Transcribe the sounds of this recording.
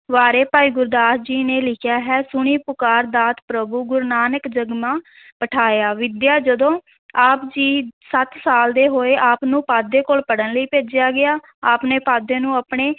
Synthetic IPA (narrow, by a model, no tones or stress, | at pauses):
ʋaːɾeːpaːiːɡʊɾd̪aːsd͡ʒiːneːlɪkʰjaːɦɛːsʊɳ̃iːpʊkaːɾd̪aːt̪pɾəbuːɡʊɾnaːnəkd͡ʒəɡmãː | pəʈʰaːjaːʋɪd̪jaːd͡ʒəd̪õː | aːpd͡ʒiːsət̪saːld̪eːɦoːeːʔaːpnũːpaːd̪eːkoːlpəɽənləiːpeːd͡ʒɪjaːɡɪaː | aːpneːpaːd̪ẽːnũːapɳeː